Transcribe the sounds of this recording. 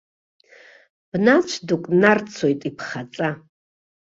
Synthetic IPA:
b̥nat͡ʃʷʰdukʷʼnart͡sʰojtʼipʰχat͡sʼa

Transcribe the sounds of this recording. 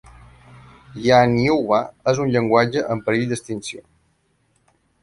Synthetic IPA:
janiuaəzunʎəŋɡwad͡ʒəʔəmpəɾiʎd̪əst̪insio

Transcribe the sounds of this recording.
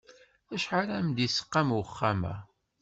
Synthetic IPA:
æʃʕaɾæmd̪isə̥qːamwəχːæmæ̰

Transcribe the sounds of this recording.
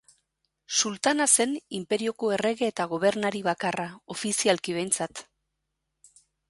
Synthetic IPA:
sult̪anase̞nimpe̞ɾio̞ko̞e̞re̞ɣe̞ːt̪aɣ̞o̞β̞e̞ɾnaɾiβakarao̞fisialkiβe̞jnt͡sat̪

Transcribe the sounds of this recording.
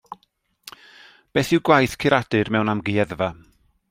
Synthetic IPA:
b̥eːθɪwɡwajθkʰɪɾʔad̥ɨrmɛwnamɡiɛðva

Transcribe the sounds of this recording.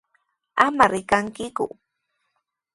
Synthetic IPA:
amaɾɪkaŋkɪkʊ̰

